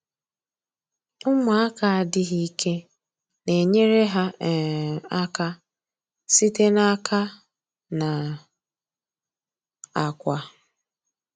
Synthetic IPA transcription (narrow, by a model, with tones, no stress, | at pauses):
ʊ˦mʊ˨˦a˦ka˨a˨dɪ˦ɦi˦kʰe˦ | ne˨ɲe˦ɾe˦ɦa˦˨ | a˦ka˦ | si˦te˦na˦kʰa˦ | na˨ | a˨kʷa˨